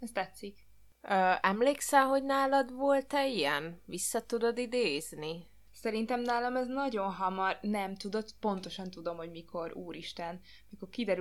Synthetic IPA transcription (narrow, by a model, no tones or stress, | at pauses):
ɛst̪ɛt̪sːik | øːɛmleːksɛmɦo̞ɟnaːlɒd̪ʋo̞lt̪ɛijɛnvisːɒt̪ud̪o̞d̪id̪eːzni | sɛɾint̪ɛmnaːlɒmɛznɒɟo̞nɦɒmɒrnɛmt̪ud̪o̞t̪po̞nt̪o̞ʃɒnt̪ud̪o̞mho̞ɟmikʰo̞ɾuːɾiʃt̪ɛn | miko̞rkid̪ɛɾ